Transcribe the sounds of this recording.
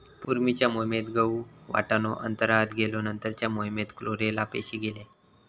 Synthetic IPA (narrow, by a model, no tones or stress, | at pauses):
puɾmit͡ɕjamomet̪ɡəuʋa̰ʈanoʔə̰nt̪əɾat̪ɡelonənt̪əɾt͡ɕjamoimet̪kloɾelapḛɕiːɡele